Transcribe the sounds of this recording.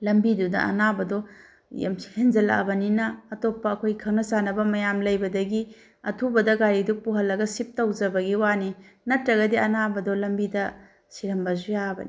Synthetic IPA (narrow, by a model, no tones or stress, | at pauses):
lɐmbidudɐ̰ɐnabɐdɔ | ja̰msi̥henzɐla̰bɐninɐːtopːɐːkʰojkʰɐwnɐsanɐbɐmɐjamlɐjbɐdɐɡi | ɐ̰tʰubɐdɐɡaɾiduk̚puɦɐlːɐɡɐsip̚tɐwd͡ʒɐbɐɡiwani | nɐtɾɐɡɐdiɐnabɐdɔlɐmbidɐ | siɾɐmbɐzujabɐ̰ni